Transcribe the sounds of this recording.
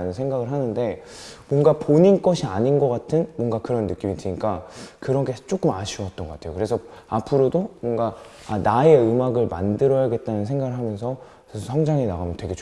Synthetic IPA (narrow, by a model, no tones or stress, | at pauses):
nɯnsʰeŋɡaɡɯɭɦanɯnde̞ | mwʌnɡapoɲink͈ʌɕʰiaɲinɡʌk͈atʰɯnmwʌnɡakɯɾʌnːɯk͈imitɯɲik͈akɯɾʌnɡe̞t͡ɕ͈ok͈ɯmaɕʰiwʌt͈ʌnɡʌkatʰejokɯɾe̞sʰʌapʰɯɾodomwʌnɡaanae̞ɯmaɡɯɭma̰ndɯɾʌjaɡe̞t̚t͈anɯnsʰe̞ŋɡaɡɯɭɦamjʌnsʰʌ | sʰʌssʰaŋd͡ʑaŋinaɣamjʌntwe̞ɡe̞t͡ɕ